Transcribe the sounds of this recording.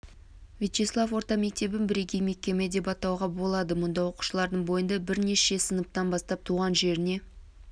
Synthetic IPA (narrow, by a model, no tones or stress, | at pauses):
vʲijt͡ʃeslˠafwo̞ɾt̪ɑme̞k̚t̪e̞bɪnbɪɾe̞ɡʲejme̞kʲːe̞me̞d̪e̞pɑt̪ɑwʁɑbo̞lˠɑd̪əmʊnd̪ɑwo̞qu̥ʃəlˠɑɾd̪əɴbo̞jənd̪ɑbɪɾne̞ʃe̞sənəp̚t̪ɑnbɑst̪ɑp̚t̪ʰuʁɑnʒe̞ɾɪne̞